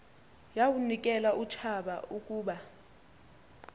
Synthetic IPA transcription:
jawunikʼɛlaʔut͡ʃʰaɓaukʼuːɓa

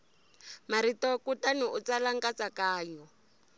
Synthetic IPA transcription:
maɾitɔkutaniut͡salaŋkat͡sakaːɲɔ

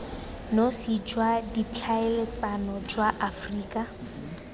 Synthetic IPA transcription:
nosid͡ʒwadit͡ɬʰaelet͡sanɔd͡ʒwaʔafriːkʼa

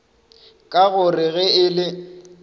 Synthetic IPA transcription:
kʼaɣʊrɪɣɛɪlɪ

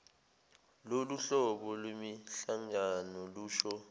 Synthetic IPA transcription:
loluɬɔɓɔlwemiɬaŋanɔluːʃɔ

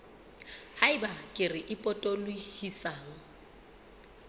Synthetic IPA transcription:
haɪbakʼɪrɪʔɪpʼɔtʼɔlwihisaːŋɔ

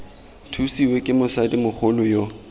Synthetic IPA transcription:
tʰusiwekʼɪmʊsadimʊk͡xʰʊlʊjo

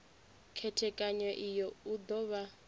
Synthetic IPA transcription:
kʰɛtʰɛkʼaɲwɛʔijɔud̪ɔβa

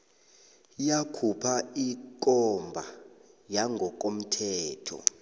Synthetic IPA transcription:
jakʰupʰaik̬ʼɔmbʱa | jaŋʱɔk̬ʼom̩tʰɛːtʰɔ̰

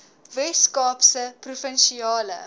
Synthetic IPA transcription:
vɛskɑːpsəprufənʃiɑːlə̰

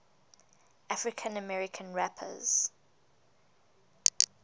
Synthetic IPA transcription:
ʔafɹɪkʰə̃nəmɛɹɪkʰə̃nɹapʰə̰z̥

